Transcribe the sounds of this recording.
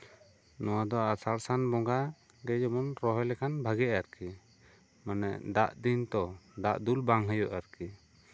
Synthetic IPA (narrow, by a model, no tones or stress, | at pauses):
nɔwad̪ɔasaɾsanbɔŋɡa | ɡɛd͡ʒɔmɔnɾɔɦɔjlɛkʰanbʱaɡɛʔaɾki | manɛʔd̪aʔd̪int̪ɔd̪aʔd̪ulbaŋɦəjɔʔaɾki